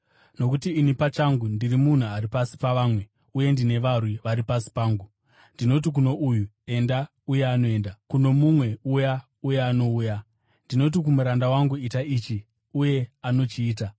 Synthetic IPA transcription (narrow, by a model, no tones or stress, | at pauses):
no̞kutiːnipat͡ʃaŋɡundirimun̤uaɾipasi̥paʋaːmwe̞ | uje̞ndine̞ʋarwiʋaɾipasi̥paːŋɡu | ndino̞t̬ik̬uno̞ʔuju | e̞nda | uje̞ano̞e̞ːndakuno̞mumwe̞uja | uje̞ano̞uːja | ndino̞t̬ikumuɾandawaŋɡuitaiːt͡ʃi | uje̞ano̞t͡ʃiːt̬a